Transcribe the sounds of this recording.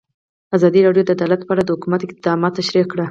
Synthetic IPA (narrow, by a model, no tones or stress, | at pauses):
azɑd̪iɾɑɖjod̪əd̪alat̪pɑɾad̪əhʊkumat̪ɪq̚d̪ɑmɑt̪ːaʃɾikɽə